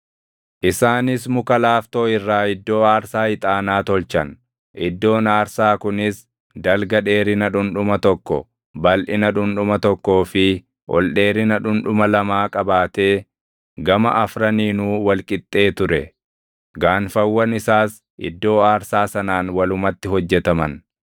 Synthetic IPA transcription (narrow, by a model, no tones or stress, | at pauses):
ʔɪsaːnɪsmʊkɐlaːft̪o̞ːɪrːaːɪd̪ːo̞ːaːɾsaːɪt̪ʼaːnaːt̪ɔlt͡ʃɐn | ʔɪd̪ːo̞ːnaːɾsaːkʊnɪs | d̪ɐlɡɐᶑe̞ːɾɪnɐᶑʊnᶑʊmɐt̪ɔkːɔ̰ | bɐlʔɪnɐᶑʊnᶑʊmɐt̪ɔkːo̞ːfɪ | ʔɔ̰lɗe̞ːɾɪnɐᶑʊnᶑʊmɐlɐmaːkʼɐbaːt̪e̞ː | ɡɐmɐ̰ʔɐfɾɐniːnuːwɐlkʼɪt̪ʼːe̞ːt̪ʊɾɛ | ɡaːnfɐwːɐnɪsaːs | ʔɪ̰d̪ːo̞ːaːɾsaːsɐnaːnwɐlʊmɐt̪ːɪɦɔd͡ʒːɛt̪ɐmɐn